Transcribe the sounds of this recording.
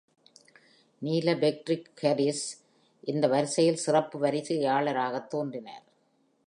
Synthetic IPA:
niːlɐbɛk̚ʈɾɪkːɐɾɪs | ʔɪnd̪ɐʋɐɾɯsɐjɪlsɪrɐpːɯʋɐɾɪðɯjaːɭɐɾaːɣɐt̪ːoːndrɪna̰ːɾ

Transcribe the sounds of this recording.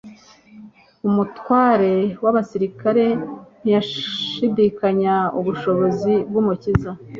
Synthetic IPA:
umutwaːɾe̞waβasiɾikaɾe̞n̥ijaʃidikaɲauβuʃo̞βo̞zib̚ɡumuciza

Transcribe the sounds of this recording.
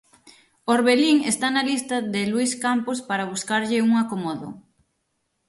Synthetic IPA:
oɾβeliŋest̪analist̪ɐðɪlwiskampospaɾaβuskaɾʎɪuŋakomoðʊ̰

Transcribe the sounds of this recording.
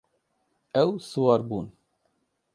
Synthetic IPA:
ɛwsuwɑɾbuːn

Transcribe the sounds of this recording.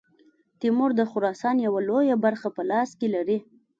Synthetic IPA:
t̪imʊɾd̪əxʊɾɑsɑnjawalojabaɾxapəlɑskelaɾi

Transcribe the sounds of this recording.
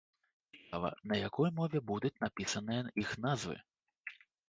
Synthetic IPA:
spavɐ̰nɐjakɔjmɔvʲɛbud̪ut͡sʲnapʲisɐnɨjɐixnazvɨ̰

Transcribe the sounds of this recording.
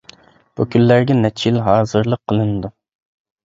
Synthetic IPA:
b̥ukʲʰylːæɾɡʲɛnɛt͡ʃʰilɦɑːzɨɾlˠəqʰːəlˠɨnɨd̪u

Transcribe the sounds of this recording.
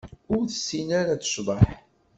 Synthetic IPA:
ʊɾθə̥sːinaɾat͡sə̥ʃvəħ

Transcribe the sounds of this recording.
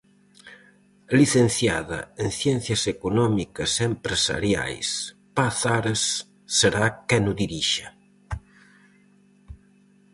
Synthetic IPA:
liθenθjaðɐ̰enθjɛn̟θjɐsekunɔmikɐsempɾesa̰ɾja̰js | paθaɾesː | eɾakɛnuðiɾiʃa

